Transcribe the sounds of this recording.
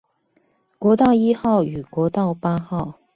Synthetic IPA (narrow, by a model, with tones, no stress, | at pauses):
kwɔ˧˥t̪ɑ˥˧ʊi˥xɑ˥˩ʊy˨˩kwɔ˧˥t̪ɑ˥˩ʊpa˥xɑ˥˩ʊ